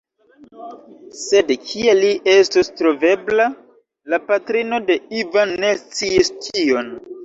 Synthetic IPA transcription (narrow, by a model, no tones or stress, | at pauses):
se̞dkʰialiʔe̞stostɾo̞ve̞bla | lapatɾino̞de̞ivanːe̞st͡siistʰio̞n